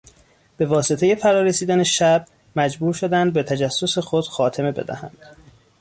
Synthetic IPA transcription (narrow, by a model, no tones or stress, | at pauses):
b̥e̞vɒːse̞t̪e̞je̞fæɾɒːɾesiːd̪æne̞ʃæb̚ | mæd͡ʒbuːɾʃod̪ænd̪̚be̞t̪ʰæd͡ʒæsːose̞xod̪̥xɒːt̪ʰe̞me̞be̞̰d̪æ̰hæ̰nd̪̥